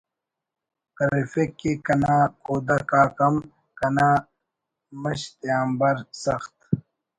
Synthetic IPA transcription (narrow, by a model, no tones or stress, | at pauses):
kɐɾifekːekɐnaːkoːd̪akaːkɐm | kɐnaː | mɐɕt̪jaːmbɐɾsɐxt̪